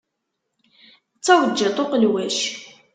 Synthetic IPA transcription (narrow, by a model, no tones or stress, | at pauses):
t͡sːæwəd͡ʒːæt̪ˤoqəlwæʃ